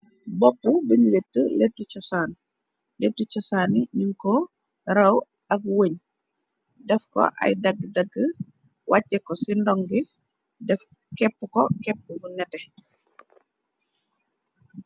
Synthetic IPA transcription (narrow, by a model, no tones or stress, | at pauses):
bɔpːubinletːəletːit͡ʃɔsaːn | letːit͡ʃɔsaniɲiŋkɔ | ɾɐw | ak̚woɲ | dɛfkɔ̰ʔa̰jdaɡdaɡə | wʔacːɛkɔsindɔŋɡi | dɛf | kɛpːukɔkɛpːumunɛtɛ